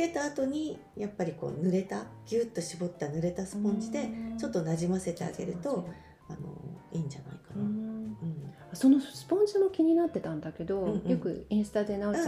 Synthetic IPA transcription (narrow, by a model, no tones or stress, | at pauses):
ke̞t̪aːt̪o̞ɲ̟i | japːaɾʲiko̞̰ːnɯ̟ɾe̞t̪aɡ̥ʲɯːt̪ːo̞ɕibo̞t̪ːanɯ̟ɾe̞t̪asɨ̥põɲd͡ʑid̪e̞t͡ɕo̞t̪ːo̞naʑimase̞t̪e̞a̰ɡe̞̰ɾɯ̟t̪o̞ | ano̞̰iːɲ̟d͡ʑana̰ikanaɯ̟̃ɴ | aso̞no̞sɨ̥põ̞ɲzɨno̞kʲiɲ̟inat̪ːe̞t̪ãnd̪ake̞d̪o̞ɯ̃jõkɯ̟ẽɰ̃sɨ̥t̪ad̪e̞nao